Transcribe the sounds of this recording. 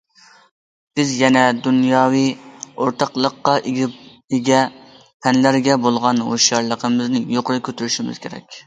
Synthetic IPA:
b̥ɪzjɛnɛd̪unjɑːwijoɾt̪ʰɑqlˠəqːɑʔɡʲ | eɡʲɛ | pʰɛnlæɾɡʲɛbolˠʁɑno̰ʃjɑɾlˠəqʰəmɪznɪjoqʊɾɨkʲʰøt̪yɾyʃimɪ̰z̥kʲʰeɾɛ̰kʲ

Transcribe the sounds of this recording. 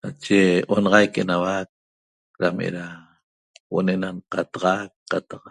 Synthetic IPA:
nat͡ʃeʔonɑʁɑjkenawak̚ | ɾamʔḛɾa | wo̰nenanqɑt̪ɑʁɑk̚ːat̪ɑq̚

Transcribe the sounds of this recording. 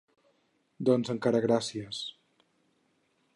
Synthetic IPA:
d̪ɔnzəŋkaɾəɣɾasiəs

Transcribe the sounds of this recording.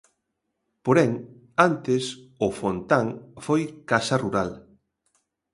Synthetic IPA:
poɾɛŋ | ant̪ɪsʊfont̪aŋfojkasɐruɾal

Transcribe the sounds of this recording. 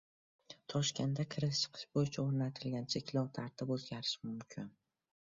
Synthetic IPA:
t̪ʰɒʃkʲe̞nd̪akʲʰɪɾɪst͡ʃʰɨ̥qʰɨ̥ʃbojɪt͡ʃʰaoɾnat̪ʰɪlɡʲant͡ʃʰekʲlɒwt̪ʰaɾt̪ʰɪpɵzɡʲaɾɪʃmʊmkʲʰɪn

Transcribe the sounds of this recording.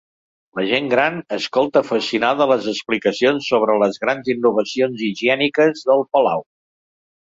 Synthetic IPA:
ləʒeŋɡɾanəskolˠt̪əːfəsinaðələzəsplikəsionsːoβɾələzɣɾanzinːuβəsionziʒiɛnikəzðəlˠpəla̰w

